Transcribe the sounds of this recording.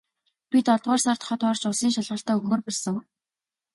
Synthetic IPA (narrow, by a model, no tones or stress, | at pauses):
pʲit̪ɔɮt̪ʁɔːrsar̥t̪χɔt̪ɔːrt͡ɕʊsiːŋʃaɮʁə̆ɬt̪aːɵɣoːrpɔɮsə̆ŋ